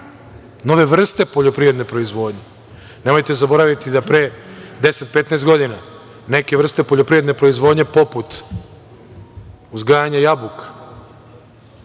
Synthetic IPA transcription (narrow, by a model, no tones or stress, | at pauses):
no̞ʋe̞ʋr̩st̪e̞po̞ʎopɾiʋɾed̪ne̞pɾo̞izʋo̞ːd̪ɲe̞ | nmo̞jt̪e̞zabo̞ɾaʋit̪id̪apɾed̪eset̪̚pe̞t̪naːst̪ɡo̞d̪ina | ne̞ke̞ʋr̩st̪e̞po̞ʎopɾiɾed̪ne̞pɾo̞izʋo̞d̪ɲe̞poput̪ | uzɡaːjaɲajabukḁ